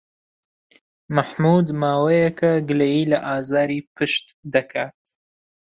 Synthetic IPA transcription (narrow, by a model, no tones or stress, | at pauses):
maħmuːd̪maːwejɐkʰɐɡɨlejiːlɐʔaːzaːɾiːpʰɨʃt̪d̪ɐkʰaːt̪̚